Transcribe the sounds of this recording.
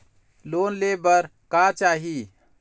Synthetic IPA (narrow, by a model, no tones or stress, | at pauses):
lonlebəɾkat͡ʃaɦi